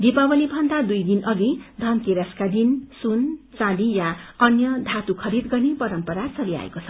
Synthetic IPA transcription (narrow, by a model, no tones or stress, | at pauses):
d̪ipabʌlibʱʌnd̪ad̪ujd̪inʔʌɡid̪ʱʌnt̪eɾaskad̪insunt͡salijaʌnjʌd̪ʱat̪ukʰʌɾid̪ɡʌrnepʌɾʌmpʌɾat͡sʌlia̰ḛkot͡sʰʌ